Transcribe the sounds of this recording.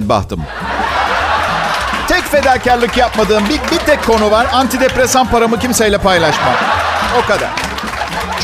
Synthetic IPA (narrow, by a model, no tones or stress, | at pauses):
nba̰ht̪ʰɯ̰m | t̪ʰɛcfe̞d̪æɾcæɾlʲˠɯcjap̚mad̪ɯːmbibit̪ʰɛkʰːo̞nuvaɾant̪ʰid̪epɾesanpaɾamɯcimsejlʲɛpajlˠaʃma̰no̞kad̪a̰ɾ̥